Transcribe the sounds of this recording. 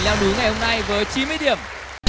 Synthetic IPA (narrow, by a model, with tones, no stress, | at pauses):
laː˧wɗu˨˦ŋa˨˩jho˧mna˧jvəː˨˦jt͡ɕi˨˦nmɨː˧jɗi˧˩əm